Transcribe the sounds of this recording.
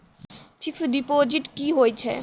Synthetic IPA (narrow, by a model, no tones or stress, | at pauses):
pʰiksɖipod͡ʒiʈkiɦojt͡ʃʰɛ̰